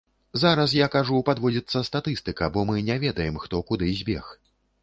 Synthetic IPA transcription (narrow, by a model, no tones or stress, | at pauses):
zaɾɐs̬jakaʐupad̪vɔd͡zʲit̪sːɐst̪at̪ɨst̪ɨkɐbɔmɨnʲɛvʲɛd̪ɐjɛmxt̪ɔkud̪ɨzʲbʲɛ̰x